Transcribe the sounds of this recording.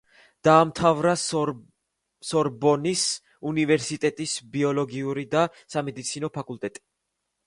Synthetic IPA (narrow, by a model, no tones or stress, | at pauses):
d̪̥aːmt̪ʰavɾa | sɔɾbɔnis | univɛɾsit̪ʼɛt̪ʼisbiɔlɔɡiuɾid̪a | samɛd̪it̪sʰinɔpʰakʼult̪ʼɛt̪ʼi̥